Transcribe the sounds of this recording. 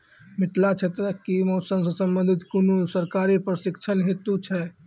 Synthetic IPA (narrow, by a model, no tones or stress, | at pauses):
mɪʈlat͡ʃʰet̪ɾəkimɔːsəmsə̃səmbənd̪ʱɪt̪kunusəɾkaɾepɾəɾəsɪkt͡ʃʰənɦet̪ut͡ʃʰɛ